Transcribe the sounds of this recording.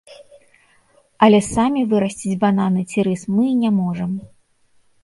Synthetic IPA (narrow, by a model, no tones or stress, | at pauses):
ɐlʲɛsamʲivɨɾɐsʲt͡sʲid͡zʲbananɨt͡sʲiɾɨsmɨnʲamɔʐɐm